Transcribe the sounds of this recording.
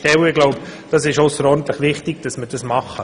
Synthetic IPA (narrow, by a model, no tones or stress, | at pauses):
tɛwɪɡlɔʊbd̥ɑsɪʃɔʊsəɾɔɾn̩t̪ləχʋɪχtɪɡ̥̚d̥ɑsməd̥ɑsmɑχːə